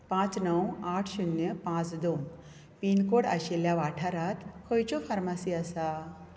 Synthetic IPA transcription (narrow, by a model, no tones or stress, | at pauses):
pãt͡snəwaʈʰɕunjəpãt͡sd̪om | pinkoɽa̰ɕeljaʋaʈʰaɾat̪kʰəjt͡ɕofaɾmasiːəsa